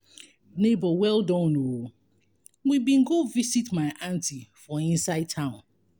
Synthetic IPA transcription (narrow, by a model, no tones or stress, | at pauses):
nebɔwɛldɔ̃no | wibĩnɡovisitmaɪʔãntifɔ̃ĩnsaɪd̚tʰãʊ̃n